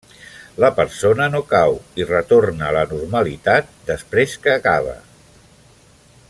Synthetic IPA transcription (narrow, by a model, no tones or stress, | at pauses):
ləpəɾsonənokawirət̪oɾnəːlənurməlit̪at̪̚d̪əspɾeskəːkaβ̞ə̰